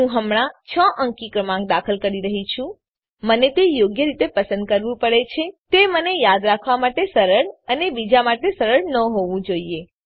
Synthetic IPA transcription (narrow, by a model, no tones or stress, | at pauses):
ɦũɦəmɽ̃at͡ʃʰəʔə̃ŋkikɾəmãŋɡ̚d̪akʰəlkəɾiɾəɦit͡ʃʰũ | mənet̪ejoɡjəɾit̪epəsə̃nd̪̚kəɾʋũpəɽet͡ʃʰet̪emənejad̪ɾakʰʋamaʈesəɾəɽənebid͡ʒamaʈesəɾəɽnəɦoʋũd͡ʒoie